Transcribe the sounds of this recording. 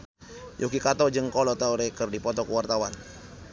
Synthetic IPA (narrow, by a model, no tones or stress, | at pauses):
jʔokikat̪ɔd͡ʒɨŋkɔlɔt̪auɾɛkərdipɔt̪ɔkəwart̪awan